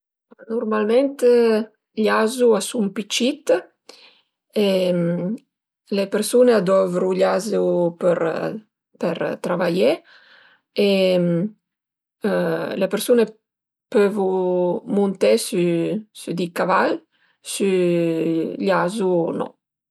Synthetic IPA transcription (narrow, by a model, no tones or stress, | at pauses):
nurmalment̪ | ʎazuasumpit͡ʃit̪ | e | lepeɾsunead̪ɔvɾuʎazupɾ | pḛɾt̪ɾavaʎe | e | lepeɾsune | pøvumunt̪esysyd̪ikavaʎ | sy | ʎazunɔ̰